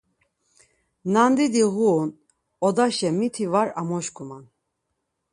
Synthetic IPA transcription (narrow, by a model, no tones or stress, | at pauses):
nand̪id̪iɣuːn | ɔd̪aʃɛmit̪ʰivaɾamɔʃkʰʼuman